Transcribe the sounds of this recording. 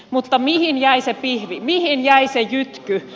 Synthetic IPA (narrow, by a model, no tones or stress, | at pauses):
mut̪ːɑmihinjæisepihʋimihinjæisejyt̪ky